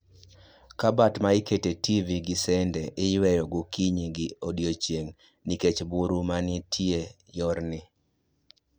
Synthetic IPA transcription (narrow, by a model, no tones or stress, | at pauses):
kabatmaɪketetiviɡɪsɛndɛʔɪjwɛjɔɡʊkiɲiɡiodjot͡ʃjeŋ | niket͡ʃbuɾumanɪtʰie | jɔɾnɪ